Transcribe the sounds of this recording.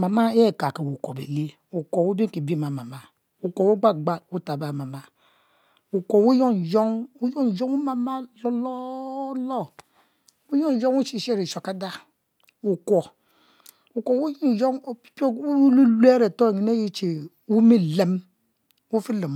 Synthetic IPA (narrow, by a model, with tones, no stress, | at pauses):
ma˨ma˦e˦˨ka˨ke˨wu˨ko˨bḛ˨li˦ | u˨ko˨wu˦bi˦˨ki˨bi˦˨ma˨ma˨ma˨ | u˨ko˨wu˦ɡ͡ba˦˨ɡ͡ba˦˨wu˦ta˨ba˨ma˨ma˦ | u˨ko˨wu˦jo˦n˨d͡ʒo˦ŋu˦jo˦n˨d͡ʒo˦ŋu˦ma˨ma˦lo˦lo˦lo˦ | wu˦jo˦n˨d͡ʒo˦ŋwu˦t͡ʃi˦˨ʃe˦ɾi˨ʃo˨ka˦da˦ | u˨ko˨ | u˨ko˨wu˦ji˦˨d͡ʒo˦ŋ˦po˦u˦lu˦lu˦e˦ɾe˨to˦˨ŋi˨ne˦ji˦t͡ʃe˨ | wu˦mi˦le˦m˦ | wu˦fi˦le˨m